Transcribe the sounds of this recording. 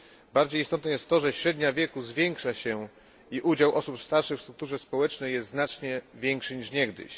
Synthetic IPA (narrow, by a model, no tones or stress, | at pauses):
baɾd͡ʑejist̪ɔt̪nɛjɛst̪ːɔʐɛɕɾɛd̪ɲavʲjɛkuzvʲjɛŋkʂaɕɛ | iʔud͡ʑawʔɔsupst̪aɾʂɘxfst̪ɾukt̪uʐɛspɔwɛt͡ʂnɛjɛst̪znat͡ʂɲɛvʲjɛŋkʂɘɲiʂɲɛɡd̪ɘ̰ɕ